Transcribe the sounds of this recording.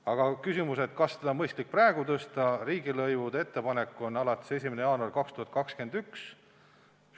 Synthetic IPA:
ɑɡ̥ɑkysʲimuset̪̚kɑsːe̥ɑmɤjst̪lik̚præeɡ̥ut̪ɤst̪ɑɾiːɡilɤjvud̪̥ee̞t̪ːe̞pɑnekːo̞nːɑlɑt̪ːˑe̥se̞sʲimenejɑːnuɑrkɑkst̪uhɑt̪kɑkske̞nd̪yks

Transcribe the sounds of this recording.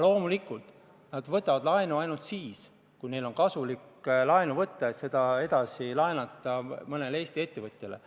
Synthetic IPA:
lo̞ːmulikːˑult̪ˑ | nɑd̪vɤt̪ːˑɑvɑd̪lɑenuɑjnult̪siːs | kujne̞jlo̞nkɑsuliklɑenuvɤt̪ːˑɑe̞t̪se̞d̪̥ɑe̞d̪̥ɑsilɑenɑt̪ːˑɑmɤne̞lee̞ːst̪ie̞t̪ːevɤt̪ʲˑjelḛ

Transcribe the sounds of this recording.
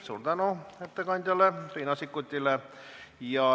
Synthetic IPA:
surt̪ɑnoet̪ːækɑnʲt̪ʲælːeriːnɑsikːut̪ʲːilːe | jɑ

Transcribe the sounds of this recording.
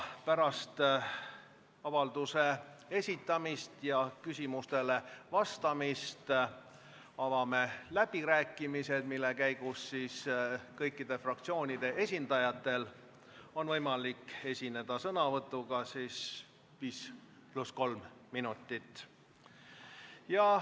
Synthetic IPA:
pæɾɑst̪ | ɑvɑld̪use̞e̞sʲit̪ːˑɑmist̪jɑkysʲimust̪e̞le̞vɑst̪ɑmist̪ | ɑvɑmelæb̥iɾæːkːˑimise̞d̪̥milːe̞kæjɡ̥usːiːskɤjkˑːid̪e̞frɑk̚t̪sio̞ːnʲid̪̥e̞ʔe̞sʲind̪̥ɑjɑt̪ːˑe̞l | o̞nvɤjmɑlike̞sʲine̞d̪̥ɑsɤnɑvɤt̪ˑːuɡ̥ɑsiːs | viːs | plusko̞lmːinut̪ːˑit̪ːˑ | jɑ

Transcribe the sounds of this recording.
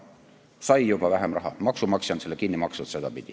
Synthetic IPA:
sɑjjub̥ɑvæɦemrɑɦɑ̰mɑksumɑksjɑnselːekinːimɑksut̪se̞d̪̥ɑpid̪̥i

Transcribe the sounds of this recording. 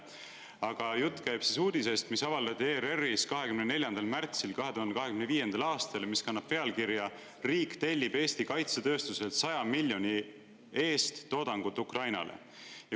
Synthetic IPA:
ɑɡ̥ɑjut̪ˑːkæjb̥sisuːd̪ise̞ːst̪misɑvɑld̪ɑt̪ʲːieːɾeriskɑɦe̞kymnene̞lʲjɑnd̪ɑlmært̪silkɑɦe̞t̪uhɑnd̪ekɑɦe̞kymneviːjend̪̥ɑlɑːst̪ɑlmiskɑnːɑb̥pe̞ɑlkiɾjɑ | riːkt̪e̞lʲːib̥e̞ːst̪ikɑjt̪set̪ø̞ːst̪use̞lt̪sɑjɑmilʲjo̞nʲi | e̞ːst̪ːo̞ːd̪̥ɑŋɡ̥ut̪ːˑukrɑjnɑ̰lʔḛ | jɑ

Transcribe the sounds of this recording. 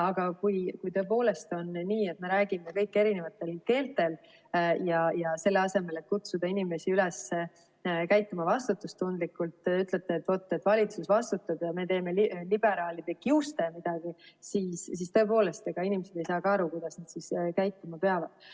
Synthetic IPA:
ɑɡ̥ɑkujkujt̪ø̞e̞po̞ːle̞st̪o̞nniːe̞t̪me̞ɾæːɡ̥ime̞kɤjkːˑeɾine̞vɑt̪ːˑe̞lke̞ːlt̪ːe̞l | jɑjɑse̞lːe̞ɑse̞me̞let̪̚kut̪sud̪̥ɑinime̞siylɛse | kæjt̪ˑːumɑvɑst̪ut̪ːˑust̪ːund̪̥likːˑult̪ˑyt̪ˑlet̪ːeːt̪ːvo̞t̪ˑːet̪ːˑvɑlʲit̪susvɑst̪ut̪ːˑɑd̥̪jɑme̞t̪e̞ːme̞llib̥e̞ɾɑːlid̪̥e̞kiust̪e̞mid̪̥ɑɡ̥isiːssist̪ø̞e̞po̞ːle̞st̪eɡ̥ɑinimese̞d̪̥e̞jsɑːkɑɑɾukujd̪̥ɑsned̪̥siskæjt̪ːˑumɑpeɑvɑd̪̥

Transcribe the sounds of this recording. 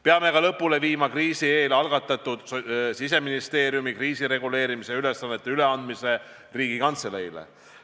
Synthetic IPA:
peɑme̞kɑlɤ̞pːˑule̞viːmɑkriːsieːlɑlɡ̥ɑt̪ːˑɑt̪ːˑud̪̥ssis̬e̞minist̪e̞ːɾjumikriːsiɾe̞ɡ̥ule̞ːɾimiseylesɑnːe̞t̪ːˑeyle̞ɑnd̪̥mise̞ | riːɡ̥ikɑnt̪selejlḛ

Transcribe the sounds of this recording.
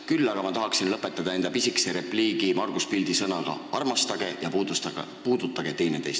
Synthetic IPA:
kylːɑɡ̥ɑmɑt̪ɑɦɑksinlɤpːˑe̞t̪ːˑɑd̪̥ɑe̞nd̪ɑpisikseɾe̞pliːɡ̥imɑrɡ̥uspild̪isɤnɑɡ̥ɑ̰ɑrmɑst̪ɑɡ̥e̞jɑ | puːd̪ut̪ˑːɑɡ̥e̞t̪e̞jnet̪e̞̰jst̪

